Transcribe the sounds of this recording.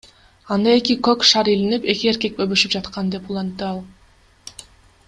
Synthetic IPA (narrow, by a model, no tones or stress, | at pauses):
ɑnd̪ɑe̞kikøkʃɑɾilinipe̞kie̞ɾke̞k̚bøβyʃyp̚d͡ʒɑt̪qɑnd̪e̞pulˠɑnt̪ːɯɑlˠ